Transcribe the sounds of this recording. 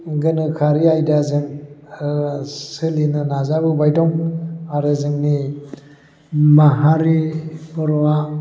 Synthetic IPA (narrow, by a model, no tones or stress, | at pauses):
ɡɯnɯkʰaɾiajdazeŋ | sɯlinɯnazabubajdɔŋaɾɯzɯŋni | maɦaɾipɔɾwa